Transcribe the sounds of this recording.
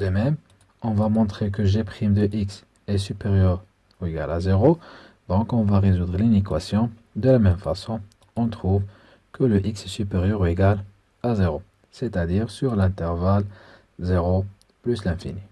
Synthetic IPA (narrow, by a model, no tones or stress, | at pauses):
d̪əmɛm | ɔ̃vamɔ̃t̪χek̬əʒɛpχimd̪əʔiks | ɛsypeʁjœʁ | ueɡa̰lazeʁo | d̪̥ɔ̃kɔ̃vaʁezud̪ʁəlinekwasjɔ̃ | d̪əlamɛmfasɔ̃ | ɔ̃t̪χuv | kʰələʔiksɛsypeʁjœʁueɡal | azeʁo | sɛt̪ad̪iːʁsyʁlɛ̃t̪ɛʁval | zeʁo | plyslɛ̃fḭni